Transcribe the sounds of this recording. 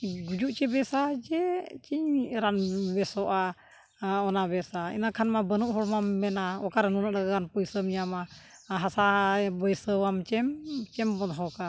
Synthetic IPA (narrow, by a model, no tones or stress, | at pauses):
ɡud͡ʒuʔt͡ʃɛbɛsad͡ʒɛt͡ʃiɲɾanbɛsɔʔa | ɔnabɛsaḭnakʰanmabənuʔɦɔɽmamːɛnaɔkaɾnunəʔləɡaɡanpujsəmjama | ɦasabəjsəwamt͡ʃɛmt͡ʃɛmbɔd̪ɦɔka